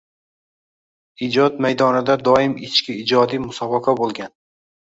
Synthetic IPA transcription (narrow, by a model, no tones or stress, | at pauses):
id͡ʒɒt̪majd̪ɒnɪd̪ad̪ɒɪmɪt͡ʃkʲɪːd͡ʒɒd̪ijmʊsɒbɑqʰabolˠɡʲan